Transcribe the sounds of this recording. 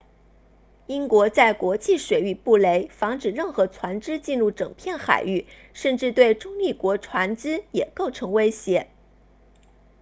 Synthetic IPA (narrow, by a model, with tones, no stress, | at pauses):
i˥ŋkwɔ˧˥t͡sa˥˩ɪkwɔ˧˥t͡ɕi˥˩ʂwe˨˩ɪy˥˩pu˥˩le˧˥ɪfɑ˧˥ŋʈ͡ʂɻ̩˨˩ɻə˥˩nxɤ˧˥t͡sʰwa˧˥nʈ͡ʂɻ̩˥t͡ɕi˥˧nɻu˥˩ʈ͡ʂɤ˨˩ŋpʰjɛ˥˩nxa̰˨˩ɪy˥˩ | ʂə˥˧nʈ͡ʂɻ̩˥˧t̪we˥˩ɪʈ͡ʂʊ˥ŋli˥˩kwɔ˧˥ʈ͡ʂʰwa˧˥nʈ͡ʂɻ̩˥jɛ˨˩ko˥˩ʊʈ͡ʂʰɤ˧˥ŋwe˥ɪɕjɛ˧˥